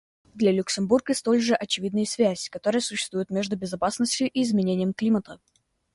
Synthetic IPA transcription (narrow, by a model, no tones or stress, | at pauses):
d̪lʲɐlʲʊksʲɪmburɡəst̪o̞lʲʐɨʔɐt͡ɕɪvʲid̪nəjəsvʲæzʲkɐt̪o̞ɾəjəsʊɕːɪ̥st̪vujɪt̪mʲe̞ʐd̪ʊbʲɪzɐpasnəsʲtʲjʊʔiɪzmʲɪnʲenʲɪjəmklʲimət̪ə